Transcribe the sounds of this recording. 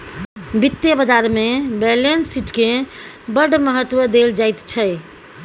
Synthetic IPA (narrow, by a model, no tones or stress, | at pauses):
bit̪jəbəd͡ʒaɾmebelensiʈkẽ | bəɖməɦət̪ːwəd̪eld͡ʒajt̪t͡ʃʰəj